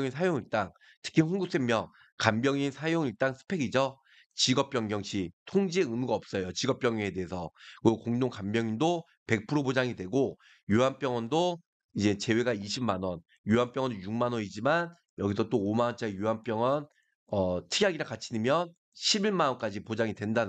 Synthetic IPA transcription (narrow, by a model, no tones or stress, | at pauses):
ŋinsʰajoŋiɭt͈aŋ | tʰɯ̥kʰiɸuŋɡuk̚s͈emmjʌŋ | kambjʌŋinsʰajoŋiɭt͈aŋsʰɯ̥pʰe̞ɡid͡ʑʌ | t͡ɕiɡʌp͈jʌŋɡjʌŋɕʰitʰoŋd͡ʑieɯmuɡaʌp̚s͈ʌjot͡ɕiɡʌp͈jʌŋie̞de̞ɦesʰʌkɯkoŋdoŋkambjʌŋindo | pe̞k̚pʰɯɾobod͡ʑaŋidwe̞ɡo | juanp͈jʌŋʌndo | id͡ʑe̞t͡ɕe̞we̞ɡaiɕʰimmanwʌn | juɦamp͈jʌŋʌndojuŋ̚manʌɲid͡ʑiman | jʌɡisʰʌt͈oːmanʌnt͡ɕ͈aejuɦanp͈jʌŋʌn | ʌtʰɯɡjaɡiɾakat͡ɕʰinimjʌn | ɕʰibiɭmanʌnk͈ad͡ʑipod͡ʑaŋidwe̞ndan